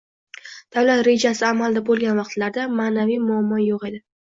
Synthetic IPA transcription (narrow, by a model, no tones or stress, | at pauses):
d̪̥avlat̪ɾe̞d͡ʒasɪamald̪abolˠɡʲanvɑqt̪laɾd̪amaːnavijmʊamːɒjoqe̞d̪ɪ